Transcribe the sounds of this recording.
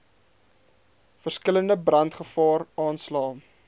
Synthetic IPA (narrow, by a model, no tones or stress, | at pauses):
fərskələndəbrɐntχəfɑːrɑːnslɑː